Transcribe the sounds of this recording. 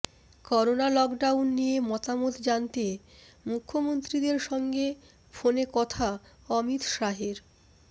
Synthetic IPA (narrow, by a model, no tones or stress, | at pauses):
kɔɾonalɔkɖawnːijemɔt̪amot̪d͡ʑant̪emukʰːomont̪ɾid̪eɾʃɔŋɡe | fonekɔt̪ʰa | ɔmit̪ʃaɦeɾ